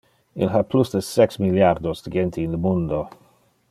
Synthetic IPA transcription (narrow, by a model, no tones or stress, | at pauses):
ḭlɦaplusdəsɛksmiljard̪osd̪əɡent̪ʰiːnləmund̪o